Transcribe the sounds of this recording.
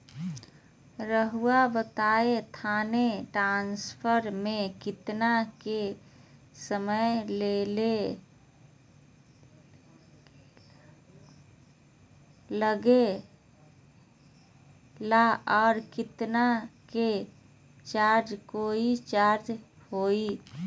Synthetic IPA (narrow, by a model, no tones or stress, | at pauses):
ɾəɦuabət̪aet̪ʰaneʈɾanspʰəɾmẽkɪt̪nake | səməjlele | ləɡe | laɔːɾkɪt̪nake | t͡ʃaɾd͡ʒkoit͡ʃaɾd͡ʒ | hoi